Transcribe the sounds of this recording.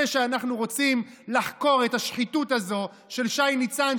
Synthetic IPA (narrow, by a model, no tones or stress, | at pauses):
eʃeanaχnuʁo̞t͡simlaħko̞ʁetaʃχitutazo̞ | ʃe̞lʃajnit͡san